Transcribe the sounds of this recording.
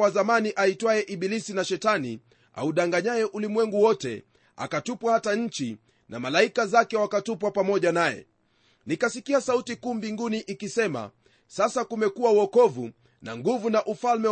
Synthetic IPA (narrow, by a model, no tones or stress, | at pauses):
wazamaniʔaitwajɛʔiɓilisinaʃɛtani | a̰uɗaŋɡaɲajɛʔulimwɛŋɡuwɔtɛ̰ | a̰katupwahataɲ̩t͡ʃi | nʔa̰malaikazakɛwakatupwapamɔʄanajɛ̰ | nikasikiasautikuːmbiŋɡuniʔikisɛma̰ | sasakumɛkuwauwɔkɔvu | na̰ŋɡuvunaʔufalmɛ